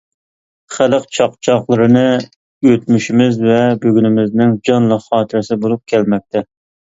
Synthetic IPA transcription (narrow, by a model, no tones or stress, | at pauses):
χæləqt͡ʃʰɑqt͡ʃʰɑχlˠɨɾɨnɨ | jøt̪myʃimɪzvɛbøɡʲynɪmɪznɪŋd͡ʒɑnlˠɑχɑːt̪ʰɪɾɪsɪbolˠup̚kʲʰɛlmɛk̚ʲt̪ʰɛ